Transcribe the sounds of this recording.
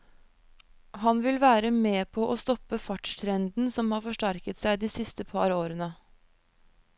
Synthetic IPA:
hɑnʋɪlʋæːɾəmeːpʰoːʔoːst̪ɔpəfɑʈt̪ʰɾɛnd̪n̩sɔmhɑːɾfɔʂʈæɾkət̪sæɪd̪iːsɪst̪əpʰɑɾoːɾənə

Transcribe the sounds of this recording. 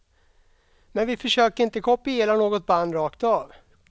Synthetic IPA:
mɛnvɪfœʂøːkəɾɪnt̪əkʰɔpːɪeːlanoːɡɔt̪̚band̪ɾɑːkt̪ɑːv

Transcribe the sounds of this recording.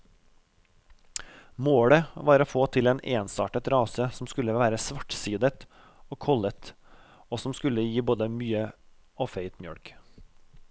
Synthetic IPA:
moːɽəʋɑːɾoːfoːt̪ʰɪleːneːnsɑːʈət̪ɾɑːsəsɔmskʉləʋæːɾəsʋɑʈsiːd̪ət̪ | oːkʰɔlət̪ | oːsɔmskʉləjiːboːd̪əmyːə | oːfeɪt̪mjœ̰ɽk

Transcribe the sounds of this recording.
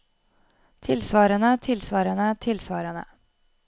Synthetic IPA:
t̪ʰɪlsʋɑːɾənət̪ʰɪlsʋɑːɾənət̪ʰɪlsʋɑːɾənə̰

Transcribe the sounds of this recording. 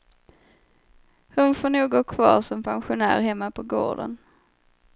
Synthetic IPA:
hʊnfoːɳuːɡoːkʰvɑ̰ːɾʂɔmpʰanɧʊnæ̰ːɾɦɛmːapʰɔɡo̰ːɖə̰n

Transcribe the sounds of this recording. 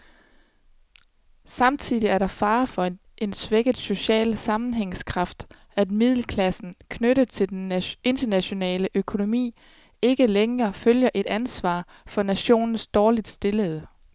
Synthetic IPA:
sɑ̈mt͡sʰið̰ˠiæɐɾɑ̈fɑ̈ːfɒ̽e | ʔe̝nsʋeɡ̥əð̩ˠso̝ɕɛ̰ːlsɑ̈mn̩ɦeŋ̰skʰʁɑ̈fd̥ | æd̥mið̞̰ˠl̩kʰlæsn̩kʰnøɾəð̩ˠt͡sʰe̝d̥ene̝nd̥ɐnæɕo̝nɛ̰ːləʔøkʰo̝no̝mḭː | e̝ɡ̥əleŋɐføljɐʔe̝d̥ænsʋɑ̰̈ː | fɒ̽næɕo̝̰ːnn̩sd̥ɒːlid̥sd̥e̝ləð̩ˠ

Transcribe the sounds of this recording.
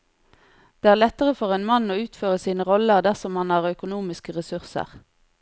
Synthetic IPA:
d̪̥eːæːʁlɛt̪əʁəfɔʁeːnmɑnoːʉːt̪føːʁəsiːnəʁɔləʁd̪æʁsɔmhɑnhɑːʁœkʊnuːmɪskəʁɛsʉʁsə̰ʁ

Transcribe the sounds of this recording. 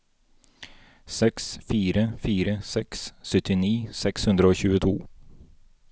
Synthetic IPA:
sɛksfiːɾəfiːɾəsɛkssœt̪ɪniːsɛkshʉnd̪ɾəoːçʉːət̪ʰṵː

